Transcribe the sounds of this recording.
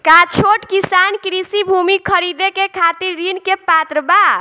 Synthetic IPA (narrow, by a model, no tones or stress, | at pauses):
kat͡ʃʰoʈkisankɾisibʱumikʰəɾid̪ekekʰat̪iɾːinkepat̪ɾəba